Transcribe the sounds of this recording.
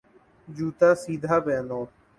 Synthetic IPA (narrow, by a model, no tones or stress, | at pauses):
d͡ʒuːt̪aːsiːd̪ʱaːbeːnoː